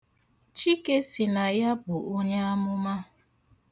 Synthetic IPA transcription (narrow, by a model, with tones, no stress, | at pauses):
t͡ʃi˦ke˦si˨na˨ja˦bʊ˨ʔo˦ɲe˦a˦mʊ˦ma˦